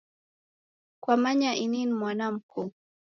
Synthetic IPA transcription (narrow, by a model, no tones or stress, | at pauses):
kwamaɲaʔininmwanam̩kʰɔ